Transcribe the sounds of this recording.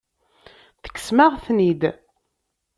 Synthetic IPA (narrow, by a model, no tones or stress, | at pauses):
θə̥kːə̥smaʁθnid̪